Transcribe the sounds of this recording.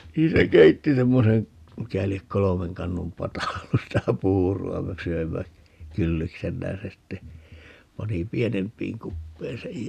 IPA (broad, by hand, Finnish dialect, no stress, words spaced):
niːn se keitːi semːoseŋ mikæ liek kolomeŋ kɑnːum pɑtɑ olːus sitæ puːruɑ me søimːæ kylːiksemːæ jɑ se sitːe pɑni pienempˑiːŋ kupːein sej